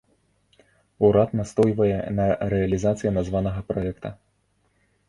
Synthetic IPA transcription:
uɾat̪nast̪ɔjvɐjɛ̰nɐɾɛɐlʲizat̪sɨjɐnazvanɐɣɐpɾɔɛkt̪ɐ

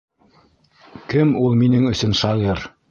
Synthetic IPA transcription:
kɘmulˠminɘŋɵ̆sɵnʃɑʁɤɾ

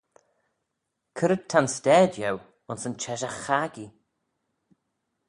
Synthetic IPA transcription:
kʰəɾəd̚t̪ʰanstɛːdjɛw | ʊnsənt͡ʃʰɛʃəxaɡi

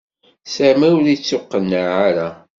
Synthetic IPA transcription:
samæwɾit͡sːʊqːənːaʕaɾa

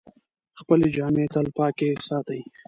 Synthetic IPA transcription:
xpəled͡ʒɑːmet̪əlpɑːkesɑːt̪əji

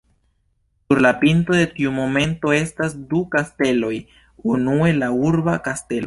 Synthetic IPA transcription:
suɾlapinto̞de̞tiumo̞me̞nto̞e̞stasdukaste̞lo̞j | unue̞lauɾbakaste̞lo

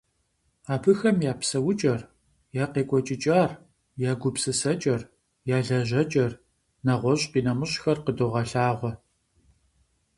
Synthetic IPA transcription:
aːpʰɨxɐmjaːpsɐwʊt͡ʃʼɐr | jaːqeːkʷʼɔt͡ʃʼɪt͡ʃʼaːr | jaːɡʷʊpsɨsɐt͡ʃʼɐr | jaːɮɐʑɐt͡ʃʼɐr | nɐʁʷɔɕʼqiːnɐmɨɕʼxɐrqədoʁɐɬaːʁʷɔ

